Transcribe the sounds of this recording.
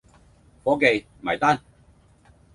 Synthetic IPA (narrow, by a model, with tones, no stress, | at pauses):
fɔː˨˥ke˨jm̩˨hɐ˨˩jt̪aː˥˨n